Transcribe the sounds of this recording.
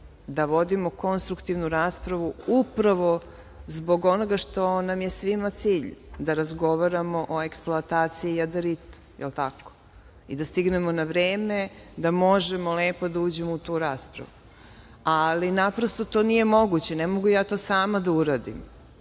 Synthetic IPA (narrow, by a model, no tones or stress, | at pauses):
d̪aʋo̞d̪imo̞ko̞nst̪ɾukt̪iʋnuɾaːspɾaʋuupɾaʋo̞ | zbo̞ɡo̞noɡaʃt̪o̞namje̞sʋimat̪siːʎd̪aɾazɡo̞ʋaɾamo̞ʔoe̞ksploat̪aːt̪siiːad̪eɾit̪u̥jelt̪ako̥ | ḭd̪ast̪iɡne̞monaʋɾeːme̞d̪amo̞ʒemole̞ːpo̞d̪auːd͡ʑemout̪uːɾaːspɾa̰ʋu | alinapɾost̪o̞t̪onije̞mo̞ɡut͡ɕenemo̞ɡujaːt̪o̞ːsaːmad̪auɾaːd̪ḭm